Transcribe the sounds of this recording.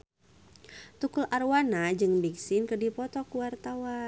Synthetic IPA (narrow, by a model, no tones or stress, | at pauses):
t̪ukulʔarwanad͡ʒɨŋbiksɪnkədipɔt̪ɔkuwart̪awa